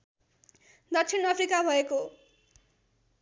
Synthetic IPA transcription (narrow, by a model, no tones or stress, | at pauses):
d̪ʌksʰinʌpʰrikabʱʌeko